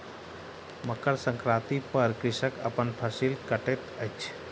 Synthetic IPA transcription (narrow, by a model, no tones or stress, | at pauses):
məkəɽsə̃ŋkɾat̪ipəɾkɾɪʃəkə̰pənpʰəsilkəʈet̪ət͡ʃʰ